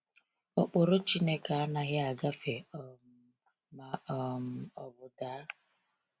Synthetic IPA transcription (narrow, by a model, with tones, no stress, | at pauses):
ɔ˨k͡pʊ˨ɾʊ˦t͡ʃi˦ne˦ka˨a˦na˦ɣɪ˦a˨ɡa˦fe˨ | ma˨ɔ˨m̩˨ɔ˨bʊ˨da˨˦